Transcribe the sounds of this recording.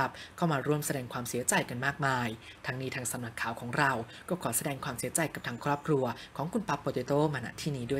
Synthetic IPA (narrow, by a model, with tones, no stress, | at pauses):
a˧p̚kʰa˥˩wmaː˧ɾu˥˩əmsa˧dɛː˧ŋkʰwaː˧msi˨˩˦ɐt͡ɕa˧jka˧nmaː˥˩k̚maː˧jt̪ʰa˦˧˥ŋniː˥t̪ʰaː˧ŋsa˨˦mna˧˩kʰːaː˨˩wkʰɔː˩˦ŋɾa˧w | kɔː˥˩kʰɔː˨˩˦sa˧dɛː˧ŋkʰwaː˧msi˨˩˦ɐt͡ɕa˧jka˨˩p̚t̪ʰaː˧ŋkʰɾɔː˥˩p̚kʰɾu˧ɐkʰɔː˩˦ŋkʰu˧npa˦˥pːoː˧t̪eː˧t̪oː˥˨maː˧na̰ː˧˥t̪ʰiː˥˩niː˦˥du˥˩ə˨